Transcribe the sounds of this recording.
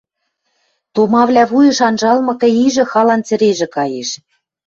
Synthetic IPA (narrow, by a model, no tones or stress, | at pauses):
t̪omɑβlʲæβujɤ̆ʃɑnʒɑlmɤ̆kɤ̆iʒɘ̆xɑlɑnt͡sɘ̆ɾeʒɘ̆kɑjeʃ